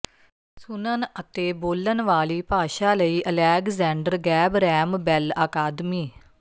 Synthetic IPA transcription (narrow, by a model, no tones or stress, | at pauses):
sʊnənət̪eːboːlənʋaːliːpaːʃaːləiːʔəlɛːkzɛ̃ːɳɖəɾɡɛːbɾɛːmbɛlaːkaːd̪miː